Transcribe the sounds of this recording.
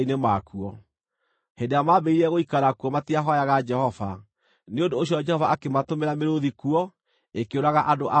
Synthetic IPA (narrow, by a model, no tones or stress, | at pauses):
inemakuɔ | hendeamabɛiɾɛɣoikaɾakuɔmatiaɦɔjaɣad͡ʒɛhɔva | neondoːɕ̬jɔd͡ʒɛhɔvaakematomeɾameɾoðikuɔ | ekeoɾaɣaʔadoʔa